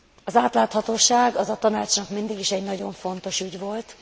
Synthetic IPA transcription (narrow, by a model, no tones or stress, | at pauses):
ɒzaːt̪laːt̪hɒt̪oːʃaːɡɒzɒt̪ɒnaːt͡ʃnɒkmind̪iɡiʃɛɟnɒɟo̞ɱfo̞n̪t̪o̞ʃyɟvo̞lt̪